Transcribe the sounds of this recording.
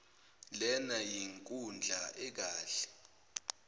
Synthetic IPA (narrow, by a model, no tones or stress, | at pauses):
lɛnajiŋkʼund͡ɮʱaʔɛk̬aːɬɛ̥